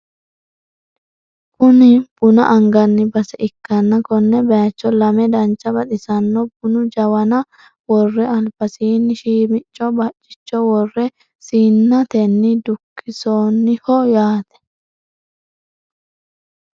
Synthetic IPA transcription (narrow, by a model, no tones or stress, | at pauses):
kʊnɪb̥ʊnɐ̰ʔɐŋɡɐnːɪbɐsɛɪkːɐnːɐkɔnːɛbɐjɐt͡ʃːɔlɐmɛd̪ɐnt͡ʃːɐbɐt̪ɪsɐnːɔbʊnʊd͡ʒɐwɐnɐ | wɔrːɛɐlbɐsiːnːɪʃiːmɪt͡ʃʼːɔbɐt͡ʃʼːɪ̥t͡ʃːɔwɔrːɛ | siːnːɐt̪ɛnːɪd̪ʊkːɪsoːnːɪhɔjaːt̪ɛ̥